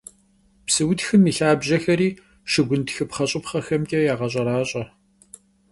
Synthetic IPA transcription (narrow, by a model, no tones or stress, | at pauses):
psɨwʊtxɨmiːɬaːbʑɐxɐɾiː | ʃɪɡʷʊntxɨpχɐɕʼɪpχɐxɐmkʲʼɐjaːʁɐɕʼɐɾaːɕʼɐ